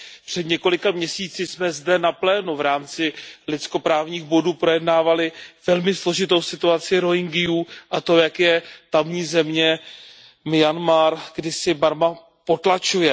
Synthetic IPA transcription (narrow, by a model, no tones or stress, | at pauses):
pr̝̥ɛd̪ɲɛko̞lɪkamɲɛsiːt͡sɪsmɛzdɛnaplɛːnuvɾaːmt͡sɪlɪt͡sko̞pɾaːvɲiːxbo̞duːpɾo̞jɛdnaːvalɪvɛlmɪslo̞ʒɪt̪o̞wsɪt̪uat͡sɪɾo̞ɦɪŋɡɪjuːʔat̪o̞jakjɛt̪amɲiːzɛmɲɛ | mɪjanmaɾɡdɪsɪbaɾma | po̞t̪lat͡ʃujɛ